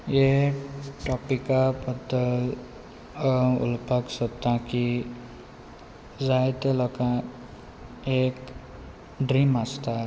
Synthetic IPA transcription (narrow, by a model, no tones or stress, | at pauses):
je | ʈɔpikabʌd̪əl | ṵlpaksɔt̪ːãki | zajt̪elɔkã | ek | ɖɾimast̪a